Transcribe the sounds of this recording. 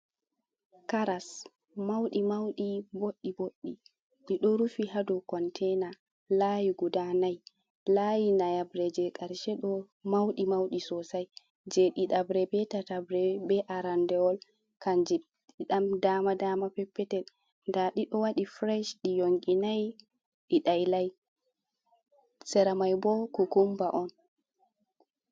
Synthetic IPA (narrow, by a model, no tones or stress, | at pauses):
kaɾas | mawɗimawɗiboɗːiboɗːi | ɗiɗɔɾufiɦadɔkɔntʰɛna | lajiɡudanaj | lajinajabɾɛd͡ʒɛkʼaɾʃɛɗɔ | mawɗimawɗisɔsaj | d͡ʒɛɗiɗabɾɛbɛtatabɾɛbɛʔaɾandɛwɔl | kaɲd͡ʒi | ɗiɗamdaːmadaːmapɛpːɛtɛ | ndaɗiɗɔwaɗifɾɛʃɗijoŋɡinaj | ɗiɗajlaj | sɛɾamajbɔkukumbaʔɔn